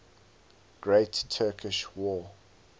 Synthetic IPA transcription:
ɡ̥ɹeɪttʰːɜːˑkʰɪʃwɔː

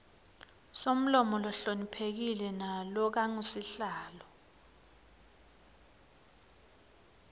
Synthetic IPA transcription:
som̩lɔmɔlɔɬonipʰek̬ilɛnalɔk̬aŋusiɬaːlɔ

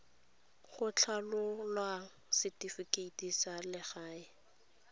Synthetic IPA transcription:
χʊt͡ɬʰalʊlwa | sɪtʼifikʼeitʼisalɪχaːɪ

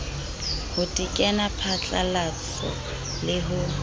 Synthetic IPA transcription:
hʊtʼikʼɛnapʰat͡ɬʼa̰lat͡sʰɔ̰ | lɪɦʊ

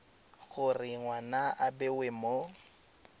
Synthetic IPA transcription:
ɣʊrɪŋwanaʔabɛwɪmo

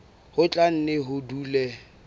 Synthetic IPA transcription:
hʊt͡ɬʼan̩nɪɦʊduːlɛ

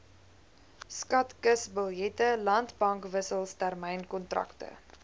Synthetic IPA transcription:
skɐtkəsbəlˠjɛtəlɐntbɐŋkvəsəlˠstærmɛjnkɔntrɐ̰ktə̰

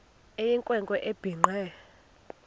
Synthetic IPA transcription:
ejiŋkʼwɛŋkʼɔʔeb̥ʱiŋ͡ǃʱɛ

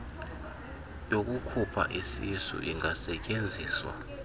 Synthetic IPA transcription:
jok̬ʼukʰupʰa̰ʔisisṵʔiŋasɛcʼend͡zʱiːswa̰

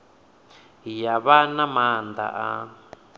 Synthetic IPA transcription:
ijaβanãmãnd̪a̰ʔa̰

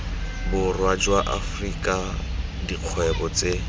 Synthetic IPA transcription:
bʊrwad͡ʒwaʔa̰frikʼa | diq͡χʰwɛbɔt͡se

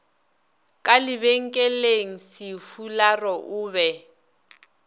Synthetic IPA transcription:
kʼalɪβɛŋ̩kʼɛleŋ̩sɪfularɔʔʊːβɛ

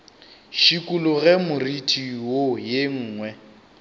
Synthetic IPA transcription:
ʃikʼulʊɣɛmʊritʰʼiwojeŋ̩ːŋwɛ

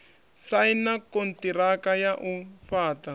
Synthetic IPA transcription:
sainakontiɾakajaʔuɸaːta

